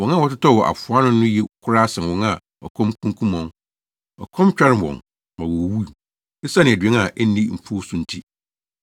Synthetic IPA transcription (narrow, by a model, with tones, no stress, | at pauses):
wɔ̃˨nã˦˨wɔ˨tɪ˦tʰɔ˦˨wɔ˨ʔa̰˨fʊ˨a˦nʊ̃˦nʊ̃˦jɛ˦kʰʊ˦ɾa˦sɛ̃˨n˨wɔ̃˨˦na˦ | ɔ̰˨kʰɔ̃˦mkʰũ˦ŋ˦kʰũ˦mɔ̃˨n | ɔ̰˨kʰɔ̃˦mt͡ɕᶣɛ˦ɾɪ˦˨wɔ̰̃˨n | mã˨wɔ˨wu˦˨ | e˦sa˦nɪ̃˨dɥɛ˦na˨ʔɛ˦n˦ĩ˦˨m̩˨pʰu˦sʊ̃˨n̩˦tʰi˦